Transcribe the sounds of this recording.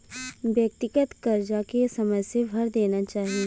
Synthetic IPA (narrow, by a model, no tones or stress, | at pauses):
bjək̚t̪ɪkət̪kɐɾd͡ʒakesɐməd͡ʒsebʱɐɾd̪eːnat͡ʃaːɦie